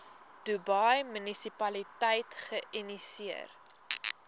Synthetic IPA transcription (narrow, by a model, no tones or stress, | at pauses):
d̥ubɐjmynisipɐlitəjtχəʔinisiə̰r